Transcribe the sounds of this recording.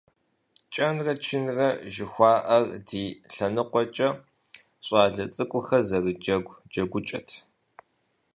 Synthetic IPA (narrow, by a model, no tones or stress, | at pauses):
t͡ʃʼɐnrɐt͡ʃʰɪnrɐʒɪxʷɑːʔɐrdiːɬɐnɨqʷɔt͡ʃʼɐ | ɕʼɑːɮɐt͡sʼɨkʷʼʊxɐzɐrɨd͡ʒɐɡʷd͡ʒɐɡʷʊt͡ʃʼɐ̰tʰ